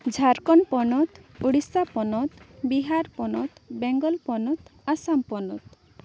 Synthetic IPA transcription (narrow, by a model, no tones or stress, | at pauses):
d͡ʒʱaɾkɔnpɔnɔt̪uɽisapɔnɔt̪biɦaɾpɔnɔt̪bɛŋɡɔlpɔnɔt̪asampɔnɔ̰t̪